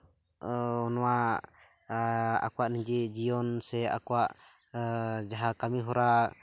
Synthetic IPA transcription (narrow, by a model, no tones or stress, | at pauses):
ɔnɔwa | a̰kwaʔniɲd͡ʒɛd͡ʒijɔnsɛa̰kɔwaʔ | d͡ʒaɦakamiɦɔɾa